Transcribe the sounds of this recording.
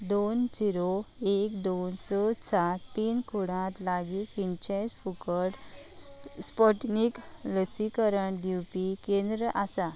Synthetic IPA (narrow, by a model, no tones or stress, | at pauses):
d̪ond͡ʑiɾoekd̪onsɔsat̪ːiːnkʰuɽ̃ãt̪laɡikint͡ɕet͡sfukəɽ | spɔʈnik | ləsikəɾəɳɖjupikẽnd̪ɾəʔasa